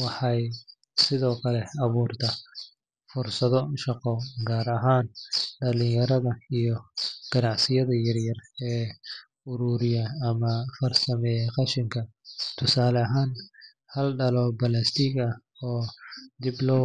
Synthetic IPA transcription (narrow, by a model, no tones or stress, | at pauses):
wɑħɑj | sɪðɔːkʰɐlɛɐβuːrt̪ʰɐ | fʊrsɐðɔʃɑqɔɡaːɾɐɦaːnɖɐlɪjɐɾɐðɐijɔɡ̥ɐnɑʕsɪjɐðɐjɐrjɐrɛː | ʊɾuːɾɪjɐːmɐfɐrsɐmɛːjqɑʃɪŋkʰɐt̪ʰʊsaːlɐɦaːn | hɐlɖɐlɔbɐlɐst̪ʰɪɡɐ | ɔːd̪iblɔː